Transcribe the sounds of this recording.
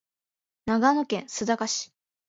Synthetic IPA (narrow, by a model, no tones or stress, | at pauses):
naɡanokẽ̞ñsɨd̪akaɕi̥